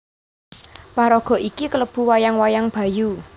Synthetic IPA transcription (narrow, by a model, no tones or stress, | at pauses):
paɾɔɡ̥ɔ̤ʔikikələb̥ṳwajaŋwajaŋb̥a̤ju